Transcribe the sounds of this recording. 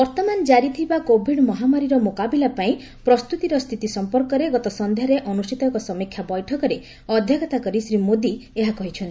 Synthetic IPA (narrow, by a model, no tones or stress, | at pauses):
bɔɾt̪ɔmand͡ʒaɾit̪ʰibakobʱiɽmɔɦamaɾiɾɔmokabilapaĩ | pɾɔst̪ut̪iɾɔst̪ʰit̪isɔmpɔɾkɔɾeɡɔt̪ɔsɔnd̪ʱjaɾeʔɔnusʈit̪ɔŋkɔsɔmikʰːjabɔjʈʰɔkɔɾe | ɔd̪ʱjɔɡɔt̪akɔɾisɾimod̪ieɦakɔɦit͡ʃʰɔnt̪i